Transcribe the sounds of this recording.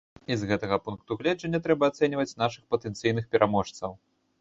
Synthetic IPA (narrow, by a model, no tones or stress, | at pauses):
izɣɛt̪ɐɣɐpunkt̪uɣlʲɛd͡ʐɐnʲːɐt̪ɾɛbɐːt̪sɛnʲivɐt͡sʲn̪aʂɨxpɐt̪ɛnt̪sɨjnɨxpʲɛɾʔamɔʂt̪sɐw